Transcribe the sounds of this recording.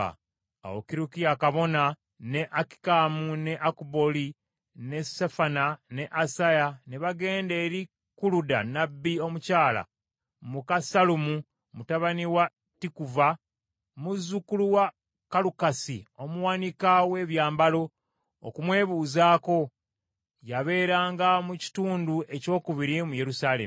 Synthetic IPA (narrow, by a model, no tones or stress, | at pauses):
a̰wo̰kiɾukiakaβo̞na | ne̞ʔaki̥kaːmune̞ʔakuboli | ne̞safanane̞ʔasajaneβaɡe̞ːnde̞ːɾi | kuluda̰nabːio̞mucaːla̰ | mukasalumu | mutaβaniwa | tikuva | muzːukuluwa | kalukasio̞muwanikawe̞ːβjaːmbalo̞ | o̰kumwe̞ːβuːzaːko̞ | jaβe̞ːɾaːŋɡamuci̥tuːnduʔe̞co̞ːkuβiɾimuje̞ɾusaːlḛm